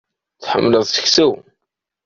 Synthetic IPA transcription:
θħə̰mːləðˤsə̥çsæw

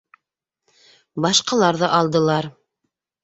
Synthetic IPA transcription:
bɑʃqɑlˠɑɾðɤʔɑlˠd̪ɤ̆lˠɑɾ

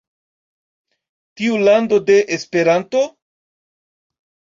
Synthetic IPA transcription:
tiulando̞de̞ʔespe̞ɾanto̞

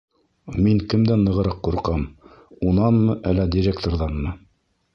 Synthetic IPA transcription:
miŋkɘ̆md̪ænːɤ̆ʁɤ̆ɾɑqːuɾqɑm | unɑnmɤʔælːædʲiɾʲekt̪orðɑnmɤ

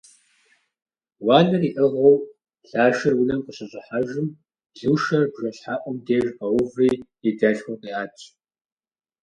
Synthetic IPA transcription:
wɑːnɨriːʔɐʁɐw | ɬaːʃɐrwʊlɐmqəɕʼɐɕʼɪħaʒɪm | ɮuːʃɐrbʒɐɬħaʔʷʼɔmdeːʒqɐwʊvriː | idaɬxʷɔqʼiːaːt͡ʃʰʼ

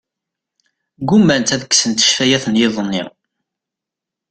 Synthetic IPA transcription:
ɡumːænt̪æðəkːsənt̪ə̥ʃfæjæθənjɪðˤnːɪ̰

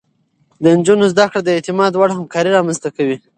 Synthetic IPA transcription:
d̪ənd͡ʒunozd̪akɽad̪əet̪ɪmɑd̪waɽahamkɑɾiɾɑmanzt̪akawi

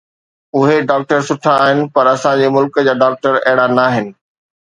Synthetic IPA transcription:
ʊɦeɖaːk̚ʈəɾsʊʈʰaːɦɪnɪ̆pɐɾɐsãd͡ʑeːmʊlkəd͡ʑaːɖaːk̚ʈəɾɛɦɪɽanaːɦɪnɪ̆

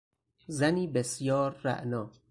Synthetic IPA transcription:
zæniːbesjɒːɾːæ̰ʔnɒː

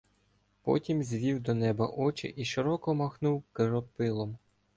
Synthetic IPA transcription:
pɔ̰tʲimzʲʋʲiwd̪ɔnɛbɐ̰ʔɔt͡ʃɪ̰ʔiʃɪɾɔkɔmɐxnuwkɪɾɔpɪlˠɔm

